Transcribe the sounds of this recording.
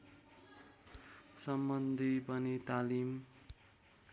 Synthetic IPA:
sʌmbʌnd̪ʱipʌnit̪alim

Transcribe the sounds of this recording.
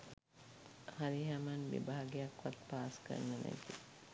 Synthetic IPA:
haɾiɦamanʋḭbaːɡejakʋat̪paːskə̰nːənæ̰t̪i

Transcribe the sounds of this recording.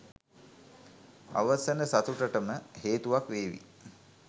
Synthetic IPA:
a̰ʋəsənəsat̪uʈəʈəməheːt̪uʋakʋeːʋḭ

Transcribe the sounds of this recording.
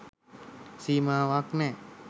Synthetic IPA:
siːmaːʋaknɛ

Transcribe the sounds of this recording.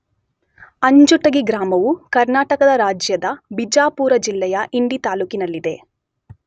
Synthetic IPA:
ɐɲd͡ʒuʈɐɡiɡɾaːmɐʋukɐɾnaːʈɐkɐd̪ɐɾaːd͡ʒjɐd̪ɐbid͡ʒaːpuːɾɐd͡ʒilːɛjɐʔiɳɖit̪aːluːkinɐlːid̪e̞

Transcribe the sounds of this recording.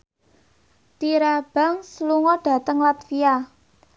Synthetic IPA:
t̪iɾab̥a̤ŋsluŋɔɖ̥ä̤t̪əŋlat̪fia

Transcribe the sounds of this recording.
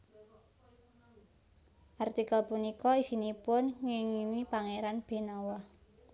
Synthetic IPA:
ʔart̪ikalpunikɔisinipʊnŋɪŋiwipaŋeɾanb̥e̤nawɔh

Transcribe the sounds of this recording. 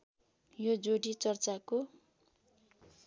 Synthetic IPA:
jod͡zoɽit͡sʌrt͡sako

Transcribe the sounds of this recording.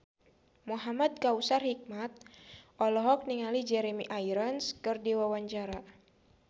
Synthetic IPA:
muɦamad̪̚kausarhik̚mat̪̚ʔɔlɔɦɔk̚niŋalid͡ʒɛɾemiʔajɾənskɨrdiwawaɲt͡ʃaɾa

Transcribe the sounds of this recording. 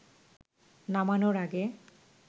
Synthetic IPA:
namanoɾaɡe

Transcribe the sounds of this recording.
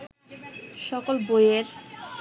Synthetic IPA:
ʃɔkolbojeɾ

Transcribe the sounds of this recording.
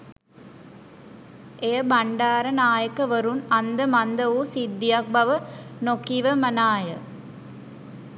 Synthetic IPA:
ʔeːbɐɳɖaːɾɐnaːjɐkːɐʋɐɾunɐnd̪ɐmɐnd̪ɐʋusid̪ːɪjɐk̚bɐʋɐnokːiʋɐmɐnaːjɐ̰

